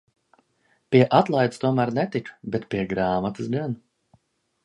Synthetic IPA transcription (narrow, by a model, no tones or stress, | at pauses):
pʲiɛʔat̪lˠajd̪st̪uɔmæɾnɛt̪ikbɛt̪pʲiɛɡɾaːmat̪ɨsɡan